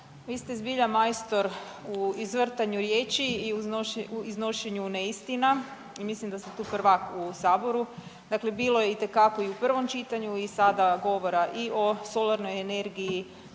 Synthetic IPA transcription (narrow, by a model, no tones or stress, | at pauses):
ʋiːst̪ezbiʎamajst̪o̞ɾ | uizʋr̩t̪aɲuɾjeːt͡ʃiːuouizno̞ʃeɲuneist̪ina | imislimd̪ast̪et̪uːpr̩ʋakusaːbo̞ɾu | d̪aklebiːlˠo̞jeit̪e̞kako̞iupr̩ʋo̞mt͡ʃit̪aɲuisad̪aɡo̞ʋo̞ɾaʔio̞so̞laɾno̞jene̞ɾɡiji